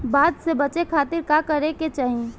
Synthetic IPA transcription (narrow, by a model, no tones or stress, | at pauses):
baːd̪sebɐt͡ʃekʰaːt̪ɪɾkakɐɾeket͡ʃaːɦi